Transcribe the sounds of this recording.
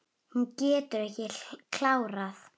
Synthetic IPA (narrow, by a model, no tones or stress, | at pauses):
huncɛːt̪ʏɾɛhcɪkʰlaːwɾaθ